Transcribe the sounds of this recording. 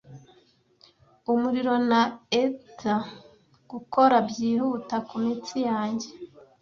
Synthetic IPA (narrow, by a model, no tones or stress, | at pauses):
umuɾiɾo̞naetʰa | ɡ̥uko̞ɾabɟiːhutakumit͡sijaːɲɟe̞